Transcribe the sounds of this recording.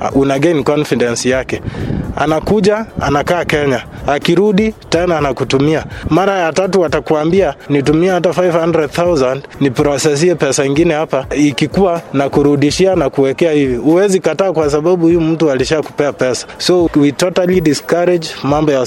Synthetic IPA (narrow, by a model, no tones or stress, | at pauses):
unaɡɛnikɔnfidɛnsijakɛa̰nakuʄaa̰nakaːkɛɲa | akiɾuɗitɛnanakutumiamaɾajatatuatakuambianitumiɛhatafajvhandɾɛdθawzandnipɾɔsɛs̬iɛpɛsaiŋɡinɛhapaikikuwanakuɾuɗiʃianakuwɛkɛahivihuwɛzikataːkwas̬aɓaɓuhijm̩tualiʃaku̥pɛapɛsḁsɔwitɔtalidiskaɾɛd͡ʒmambɔja